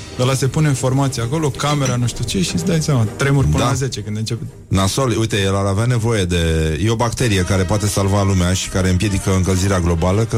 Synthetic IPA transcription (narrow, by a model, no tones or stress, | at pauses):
əlase̞puneinfo̞rmat̪siako̞lo̞kame̞ɾanuʃt̪ut͡ʃe̞ʃisd̪ajsjamat̪ɾe̞murʲpɨd̪aze̞t͡ʃe̞kɨnd̪ɨnt͡ʃe̞pe | naso̞lujt̪e̞jelaɾaveane̞vo̞je̞d̪e̞jeo̞bak̚t̪e̞ɾije̞kaɾe̞poat̪e̞salvalumeaʃi̥kaɾe̞ɨmpje̞d̪ikəɨŋkəlziɾeaɡlo̞baləkə